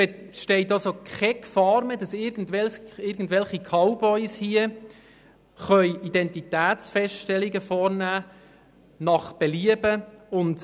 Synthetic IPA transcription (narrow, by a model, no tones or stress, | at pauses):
ɛ | ʃtɛɪtɑsokχɛkfɑːɾmɛdɑsɪɾɡn̩dvɛlsɪɾɡn̩dʋɛlχikʰɑʊbɔʏshiə | χœjid̥ɛntit̪æːtsfɛstʃtɛlɪɡəfɔːɾnæː | nɑχb̥ɛliəbəʊnt